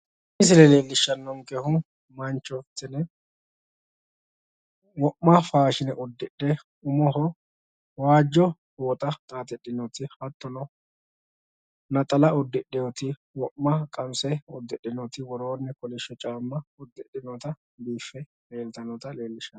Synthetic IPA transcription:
ɪs̬ɪlɛle̞ːlːɪʃːɐnːɔŋkɛhʊ | mɐnt͡ʃːɔft̪ːɪnɛ | wɔʔːɐfaːʃɪnɛʔʊd̪ːɪɗːɛ | ʊmɔɦɔ | waːd͡ʒːɔhoːt̪ʼɐt̪ʼaːt̪ɛɗːɪnɔt̪ɪhɐt̪ːɔnɔ | nɐt̪ʼɐlɐɔd̪ːɪɗɛjɔt̪ɪ | wɔʔːɐkʼɐmsɛɔd̪ːɛɗːɪnɔt̪ɪwɔɾoːnːɛkɔlɪʃːɔt͡ʃʼaːmːɐʊd̪ːɪɗɪnɔt̪ɐ | biːfːɛ | meːlt̪ɐnɔt̪ɐleːlːɪʃːɐn

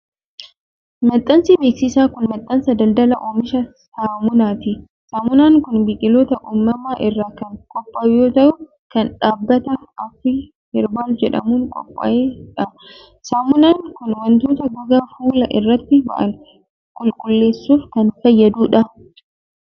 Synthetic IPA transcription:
mɐt̪ʼːɐnsibeːksɪsaːkʊnmɐt̪ʼːɐnsɐd̪ɐld̪ɐlɐʔoːmɪʃɐ | saːmʊnaːt̪ɪ | saːmʊnaːŋkʊnbɪkʼɪloːt̪ɐʔumːɐmaːʔɪrːaːkɐŋkʼɔpʼːɐjoːt̪ɐʔʊ | kɐnᶑaːbːɐt̪ɐɐfɪ | hɪɾbaːld͡ʒɛᶑɐ̰muːŋkʼɔ̰pʼːɐ̰ʔeːᶑɐ | saːmʊnaːŋkʊnwɐnt̪oːt̪ɐɡɔɡaːfuːlɐʔɪrːɐt̪ːɪbɐ̰ʔɐ̰n | kʼʊlkʼʊlːe̞ːsːuːfkɐnfɐjːɐd̪uːᶑɐ

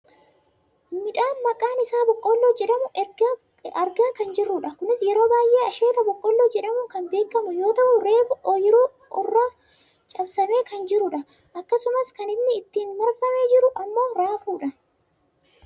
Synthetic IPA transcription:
mɪᶑaːnmɐkʼaːnɪsaːbɔkʼːɔlːod͡ʒɛᶑɐmʊʔɛɡɐ | ɐɾɡaːkɐnd͡ʒɪrːʊᶑɐkʊnɪsjɛɾo̞ːbaːjʔe̞ːɐʃe̞ːt̪ɐbɔkʼːɔlːoːd͡ʒɛᶑɐmʊkɐnbe̞ːkːɐmʊjo̞ːt̪ɐʔʊɾe̞ːʔjɪɾu | ʔʊrːaː | t͡ʃʼɐbsɐme̞ːkɐnd͡ʒɪɾʊᶑɐ | ʔɐkːɐsʊmɐskɐnɪmnɪːt̪ːiːnmɐɾfɐme̞ːd͡ʒɪɾʊʔɐmːo̞ːɾaːfuːᶑɐ

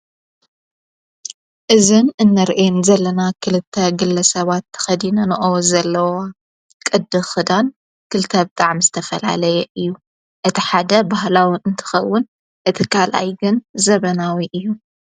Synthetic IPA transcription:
ʔɨzɨnɨnːɐɾʔenzɐlːɐnakʰɨlɨt̪ʰːɐɡɨlːɐsɐβat̪ʰːɐ̥xɐd̪inɐnɨʔozɐlːɐwa | kʼɨd̪ːɨxɨd̪an | kʰɨlt̪ʰɐb̚t̪ʼaʕmzɨt̪ʰɐfɐla̰lɐjɛʔɨjːu | ʔɨt̪ʰiħad̪ɐbaɦlawiɨnt̪ʰɨ̥xɐwːʊn | ʔɨt̪ʰikʰalʔa̰jɡɨnzɐβɐnawiʔɨjːu

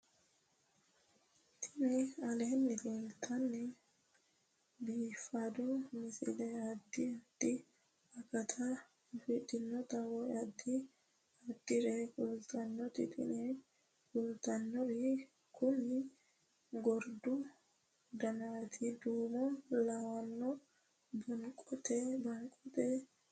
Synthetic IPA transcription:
t̪ʰɪnɛɐleːnːɪleːlt̪ʰɐnːɪ | biːfːad̪ɔmɪsɪ̰lɛɐd̪ːɪɐd̪̥ɪ | ɐkɐt̪ʰa | fɪtːɪnːɔt̪ɐwɔɐd̪ːɪ | ɐd̪ːɪɾɛkʊlt̪ɐnːɔt̪ɪt̪ʼɪ̰nɛ | kʊlt̪ɐnːɔɾɪ | kʊnːɪ | ɡɔɾd̪ʊ | d̪ɐnat̪ʰɪd̪uːmɔlɐwɐnːɔ | bɐŋkʼɔt̪ɛbɐŋkʼɔt̪ɛ

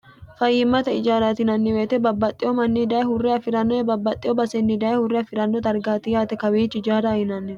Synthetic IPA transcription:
fɐjːɪmːɐt̪ɐɪd͡ʒaːɾaːt̪ɪnɐnːɪweːt̪ɛbɐbːɐt̪ʼːɪɔmɐnːid̪aːɛhʊrːɛɐfɪɾɐnːɔɛbɐbːɐt̪ʼːɪɔbɐsɛnːɪd̪aːjhʊrːɛɐfɪɾɐnːɔt̪ɐɾɡaːt̪ɪjaːt̪ɛkɐwiːt͡ʃːɪd͡ʒaːd̪ahɪnɐnːɪ

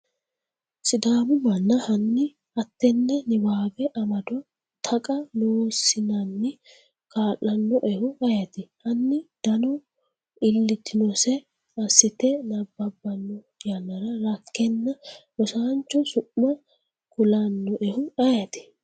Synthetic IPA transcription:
sɪd̪aːmʊmɐnːɐhɐnːɪ | ʔɐt̪ːɛnːɛnɪbaːbɛʔɐmɐd̪ɔ | t̪ʰɐkʼɐnoːsɪnɐnːɪ | kaːlːɐnːɔʔɛhʊɐjɐt̪ɪhɐnːɪd̪̥ɐnɔ | ɪlːɪt̪ːɪnɔsɛ | ɐsːɪt̪ɛnɐbːɐbːɐnːɔ | jɐnːɐɾɐɾɐkːɛnːɐ | ɔsaːnt͡ʃːɔsʊʔmɐ | kʊlɐnːɔʔɛhʊɐjɐt̪ɪ̥

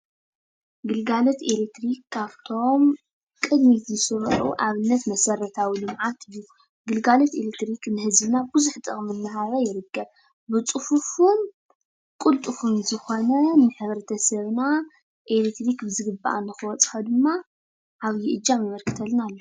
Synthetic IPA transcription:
ɡɨlɡalot̪elek̚t̪ɾikʰːaβt̪ʰo̞m | kʼɨd̪mit̪zɨsɨɾʔṵʔaβɨnːɐt̪mɐsɐɾɐt̪ʰawilɨmʕat̪ʰɨjːu | ɡɨlɡalot̪elek̚t̪ɾiknɨhɨzbɨnabɨzuħt̪ʼɨχʼmɨnːɐɦaɾɐjɪɾɨɡːɐβ | bɨt͡sʼɨfufun | kʼult̪ʼɨfunzɨxo̞nɐnɨħɨβɾɐt̪ʰɐsɐβna | ʔelek̚t̪ɾikbɨzɨɡɨbːa̰ʔa̰nːɨxɨwɔt͡sʼxad̪ɨmːa | ʔːβjiʔɨd͡ʒːamɨmɐlkʰɨ̥t̪ʰɐlnalːo

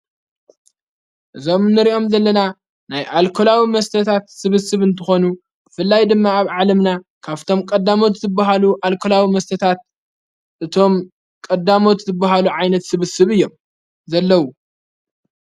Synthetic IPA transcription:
ʔɨzo̞mnːɨɾio̞mzɐlːɐna | najʔalkʰo̞lawimɐst̪ʰɐt̪ʰat̪sɨβɨsɨβɨnt̪ʰɨxo̞nu | b̥ɨfɨlːajd̪ɨmːaːβʕalɐmnakʰaβt̪ʰo̞mkʼɐd̪ːamo̞t̪zɨbːaɦaluʔalkʰolawimɐst̪ʰɐt̪ʰat̪̚ | ʔɨt̪ʰo̞m | kʼɐd̪amo̞t̪zɨbːaɦaluʕajnɐt̪sɨβɨsɨβɨjːo̞m | zɐlːɐwu

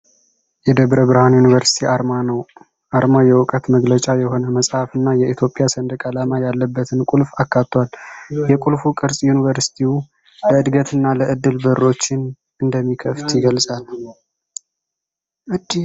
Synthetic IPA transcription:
jɛd̪əbɾəβɨɾhanjunivəɾsi̥t̪ʰiaɾmanəw | ʔaɾmajɛwʊkʼət̪məɡlət͡ʃʼajɛho̞nəməsʼhafɨnːajɛʔit̪ʰjo̞pʼːjasənd̪kʼalamajalːəbːət̪ʰɨnkʼulfakːat̪ːwaljɛkʼulfukʼɨɾsʼjunivəɾsi̥t̪ʰiu | ləɨd̪ɡət̪ʰɨnːaləʔɨd̪ːɨlbərːo̞t͡ʃːɪn | ɨnd̪əmːikʰəft̪jɪɡəlsʼal | ɨ

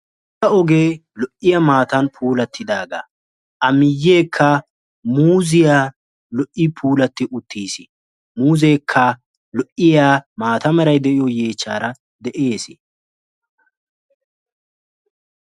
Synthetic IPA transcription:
tɐɔɡe̞ːlɔʔɪjɐmaːt̪ɐnpʰuːlɐt̪ʰːɪd̪aːɡa̰ː | ʔɐmɪjːeːkʰːɐ | muːzɪjaː | lɔʔɪpʰuːlɐt̪ːɪʔʊt̪ːiːsɪ | muːzeːkʰːɐ | lɔʔɪjaːmaːt̪ɐmɛɾɐjd̪ɛʔɪjɔje̞ːt͡ʃːa̰ːɾɐ | d̪ɛʔe̞ːsɪ

